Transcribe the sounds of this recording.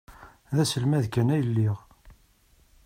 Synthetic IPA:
ðæsəlmæðkænæjəlːiʁ

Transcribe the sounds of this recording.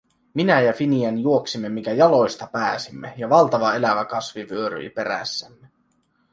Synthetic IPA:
minæjæfiniænjuoksimːemːiŋkæjɑlo̞jst̪ɑpæːsimːejɑʋɑlt̪ɑʋɑe̞læʋækɑsʋiʋyøɾy̰ipe̞ɾæ̰sːæmːe

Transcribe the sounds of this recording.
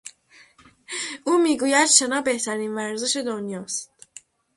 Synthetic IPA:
ʔuːmiːɡuːjæd̪ʃenɒːbe̞ht̪ʰæɾiːnvæɾze̞ʃe̞d̪onjɒːst̪

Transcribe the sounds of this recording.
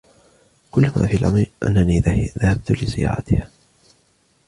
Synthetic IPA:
kʊlːama̰ːfiːlʔamɾiʔa̰nːaniːðahab̚t̪ʊlɪsɪja̰ːʕat̪ɪhaː

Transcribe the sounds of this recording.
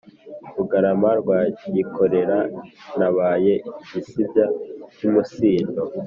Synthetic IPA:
ɾuɡaɾamaɾɡwajikʰo̞ɾe̞ɾanaβaːje̞ɟisibɟacumusiːndo

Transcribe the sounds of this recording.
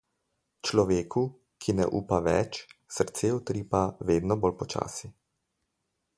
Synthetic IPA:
t͡ʃlɔʋeːku | kʰinɛ̰ʔuːpaʋɛ̰t͡ʃsəɾt̪seːɔt̪ɾiːpaʋeːd̪nɔbolpɔt͡ʃa̰ːsi

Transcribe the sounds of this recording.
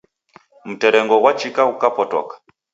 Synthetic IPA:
m̩tɛɾɛŋɡɔɣwat͡ʃikaukapɔtɔ̰kḁ

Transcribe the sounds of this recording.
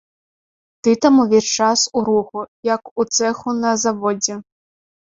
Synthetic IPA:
t̪ɪt̪ɐmʊʋʲit͡ʃɑsʊɾuxʊjɐkʊt̪sɛxʊnɐzɐʋɔdʲi

